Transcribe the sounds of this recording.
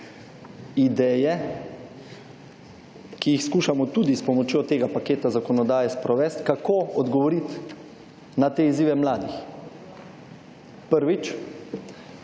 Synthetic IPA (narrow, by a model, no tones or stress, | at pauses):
id̪ɛːjɛ | kijixskuːʃamɔt̪ud̪ispɔmɔt͡ʃjoːt̪eːɡapakeːt̪azakɔnɔd̪aːjɛspɾɔʋɛːst̪kakʰoːɔd̪ɡɔʋɔɾit̪ | nat̪eːiziːʋɛmlaːd̪ix | pəɾʋit͡ʃ